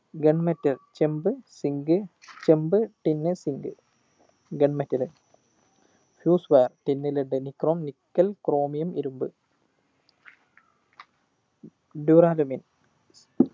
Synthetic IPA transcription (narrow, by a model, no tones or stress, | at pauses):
ɡeɳmɐtːɐrt͡ɕembɨsiŋɡɨ | t͡ɕembɨʈinːɨsiŋɡɨ | ɡeɳmɐtːɐlɨn | fjuːsʋaːrʈinːilɨɳɖɨnikroːmnikːɐlkroːmijɐmiɾumbɨ | ɖuɾaːlɐmin